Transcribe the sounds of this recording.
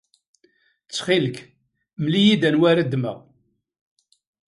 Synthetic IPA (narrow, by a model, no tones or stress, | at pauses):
t͡sːχilək | mlijid̪ænwæɾad̪mə̰ʁ